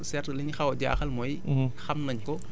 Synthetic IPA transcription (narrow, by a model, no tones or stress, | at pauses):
sɛɾlinxawda̰xalmoj | xamnaɲko